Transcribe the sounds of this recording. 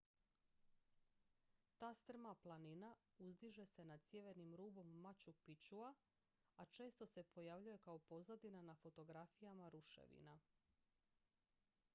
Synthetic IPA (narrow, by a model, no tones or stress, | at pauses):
t̪aːst̪r̩maplˠaninauzd̪iʒe̞se̞nad̪sje̞ʋeɾnimɾuːbo̞mːat͡ɕukpit͡ɕua | at͡ʃe̞ːst̪o̞se̞pʰo̞jaʋʎuje̞kaopo̞zad̪inanafo̞t̪o̞ɡɾafijamaɾuʃḛʋḭna